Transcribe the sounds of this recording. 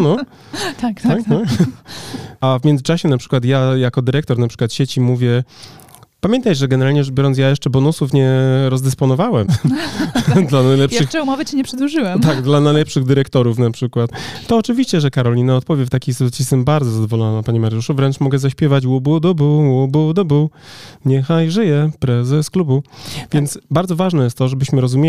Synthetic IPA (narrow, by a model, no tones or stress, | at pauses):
nɔ | t̪akt̪ak̪ | avmʲjɛnzɘt͡ʂaɕɛnapʂɘ̥kwat̪jajakɔd̪ɘɾɛkt̪ɔɾnapʂɘkwat̪ɕɛt͡ɕimuvʲjɛ | pamʲɛnt̪ajʐɛɡɛnɛɾalɲɛjubʲɔɾɔnsjajɛʂt͡ʂɛbɔnusufɲɛɾɔzd̪ɛspɔnɔvawɛm | d̪lanajlɛpʂɘxɛumɔvɘt͡ɕɛɲɛpʂɨd̪wuʐɨwɛmt̪aɡd̪lanajlɛpʂɘɣd̪ɘɾɛkt̪ɔɾufnapʂɘkwat̪t̪ɔːt͡ʂɘvʲiɕt͡ɕɛʐɛkaɾɔlʲinaɔt̪̚pɔvʲjɛft̪akʲisut̪sʲist̪ɛmbaɾdzɔzad̪ɔvɔlɔnanapaɲimaɾjuʂuvɾɛnt͡ʂmɔɡɛzaɕpʲjɛvat͡ɕwubud̪ɔbuwubud̪ɔbuɲɛxajʐɘjɛpɾɛzɛsklubuvʲjɛnt̪sbaɾd̪zɔvaʐnɛjɛst̪t̪ːɔʐɛbɘɕmɘɾɔzumʲje